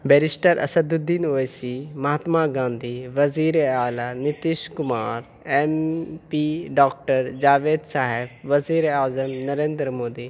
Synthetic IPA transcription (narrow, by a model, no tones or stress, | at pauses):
bɛɾɪsʈəɾʔɐ̰sɐd̪ud̪iːnoːesimɐɦat̪maːɡãːnd̪ʱiːʋɐziːɾeaːlaːnɪt̪iʃkʊmaːɾ | empiɖaːk̚ʈəɾd͡ʒaːʋeːd̪saːɦɪbʋɐziːɾaːzəmnɐɾẽːnd̪ɾəmoːd̪iː